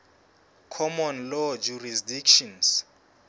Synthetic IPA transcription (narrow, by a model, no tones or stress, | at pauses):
kʰɔmɔnlɔd͡ʒurisdikʃɔns